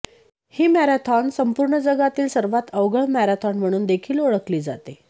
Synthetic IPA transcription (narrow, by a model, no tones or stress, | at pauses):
hiːmæɾat̪ʰɔnsəmpuɾɳəd͡zəɡat̪iːlsəɾʋat̪əʋɡəɭmæɾat̪ʰɔnm̤əɽ̃uːnd̪ekʰiːloɭəkliːd͡zat̪e